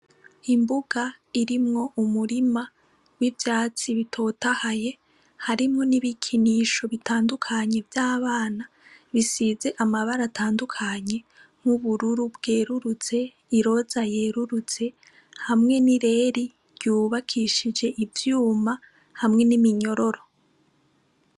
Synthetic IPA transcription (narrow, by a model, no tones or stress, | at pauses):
imbuɡ̥a | iɾimŋo̞ʔumuɾima | wivjaːt͡siβitʰo̞ːtahaje̞ | haɾimŋo̞niβikʰiniːʃo̞βitaːndukʰaɲe̞vjaːβaːna | βisize̞ʔamaβaɾatʰaːndukʰaɲe̞ | m̥uβuɾuɾubɡeːɾuɾut͡se̞ | iɾo̞zaje̞ːɾuɾut͡se̞ | hamŋe̞niɾe̞ɾi | ɾjuːβakʰiʃid͡ʒe̞ʔivjuːma | hamŋe̞nimiɲo̞ɾo̞ɾo̞